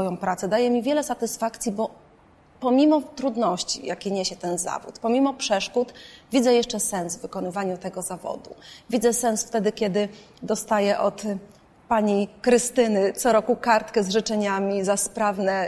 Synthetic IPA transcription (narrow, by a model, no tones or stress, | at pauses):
ɔjɔ̃w̃pɾat̪sɛd̪ajɛmʲivʲjɛlɛsat̪ɘsfakt̪sʲjibɔ | pɔmʲimɔt̪ɾud̪nɔɕt͡ɕḭjakʲeɲeɕɛt̪ɛnza̰vṵt̪pɔmʲimɔpʂɛʂkut̪vʲid̪zɛjɛʂt͡ʂɛsɛnsvvɘkɔnɘvaɲut̪ɛɡɔzavɔ̰d̪uvʲid̪zɛsɛnsft̪ɛd̪ɘkʲɛd̪ɘ | d̪ɔst̪ajɛʔɔt̪ | paɲikɾɘst̪ɘnɘt̪sɔɾɔkukaɾt̪kɛzʐɘt͡ʂɛɲamʲizaspɾavnɛ